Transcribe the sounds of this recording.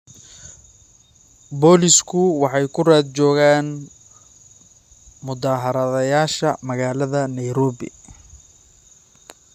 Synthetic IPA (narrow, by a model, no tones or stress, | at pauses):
bɔːlɪskʰʊwɑħɑjkʰʊraːd̪̚t͡ʃɔːɣaːn | mʊd̪aːɦɐɾɐðɐjaːʃɐmɐɣaːlɐðɐnɐjɾɔːβɪ̰